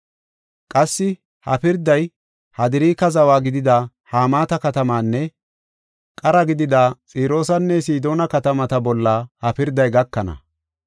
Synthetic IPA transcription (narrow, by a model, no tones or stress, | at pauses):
kʼɐsːɪ | hɐpɪɾd̪ɐj | hɐd̪ɪɾiːkɐzɐwaːɡɪd̪ɪd̪ɐ | haːmaːt̪ɐkɐt̪ɐmaːnːɛ | kʼɐɾɐɡɪd̪ɪd̪aːt͡sʼiːɾo̞ːsɐnːɛsiːd̪o̞ːnɐkɐt̪ɐmɐt̪ɐbɔlːɐhɐpɪɾd̪ɐjɡɐkːɐnɐ̰